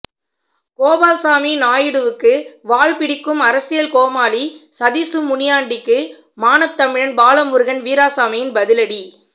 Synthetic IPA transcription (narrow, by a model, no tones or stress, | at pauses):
koːbaːlsaːminaːjɪɽɯʋɯkːɯʋaːɭpɪɽɪkːɯmɐɾɐsɪjɐlkoːmaːlisɐðisɯmʊɳɪjaːɳɖɪkːɯ | maːnɐt̪ːɐmɪɻɐnbaːlɐmɯɾɯɣɐnʋiːɾaːsaːmɪjɪnbɐðɪlɐɽi